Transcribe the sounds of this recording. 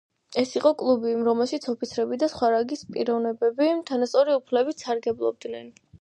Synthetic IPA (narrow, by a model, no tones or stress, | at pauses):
ɛsiqʼɔkʼlˠubiɾɔmɛlˠʃit̪sʰɔpit̪sʰɾɛbid̪asχwaɾaɡispʼiɾɔvnɛbɛbit̪ʰanast̪sʼɔɾiupʰlɛbit̪saɾɡɛblˠɔ̰b̚d̪nɛn